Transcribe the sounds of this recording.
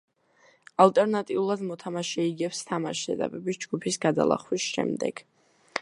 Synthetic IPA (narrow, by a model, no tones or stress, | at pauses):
alt̪ʼɛɾnat̪ʼiulˠad̪mɔt̪ʰamaʃɛiɡɛpst̪ʰamaʃɛ̰d̪a̰bɛbisd͡ʒɡupʰisɡad̪a̰lˠa̰χwisʃɛ̰md̪ɛ̰ɡ̥